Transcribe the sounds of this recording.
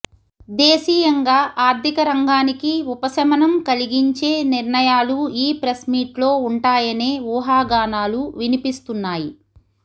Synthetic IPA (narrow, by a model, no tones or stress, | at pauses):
d̪eːsiːjɐŋɡaːʔaːɾt̪ikɐɾɐŋɡaːnikiupɐsɐmɐnɐmkɐliɡiɲt͡ʃe̞ːniɾɳɐjaːluiːpɾɐsmiːʈlo̞ːuɳʈaːjɐneːʋuːɦaːɡaːnaːluʋinipist̪unːaːji